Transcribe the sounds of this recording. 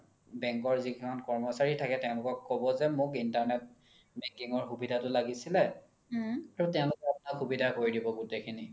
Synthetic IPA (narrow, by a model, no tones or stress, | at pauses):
bɛŋkɔɹzikʰimɔnkɔɹmɔsaɹitʰakɛtɛʊ̃lʊkɔkːɔbɔzɛmʊkintaɹnɛt̚ | bɛkiŋɔɹxubidʱatʊlaɡisilɛ | aɹutɛʊ̃lʊkɛapʊnakhubidʱakoɹidibɔɡutekʰini